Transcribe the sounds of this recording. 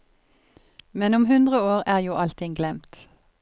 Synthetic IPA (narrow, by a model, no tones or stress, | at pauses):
mɛnʊmhʉnd̪ʁəoːʁæːʁjuːʔɑlt̪ʰɪŋɡlɛmt̪